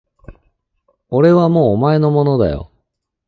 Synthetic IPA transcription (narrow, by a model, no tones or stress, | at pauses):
o̞ɾe̞βamo̞ːmae̞no̞mo̞nod̪a̰jo̞̰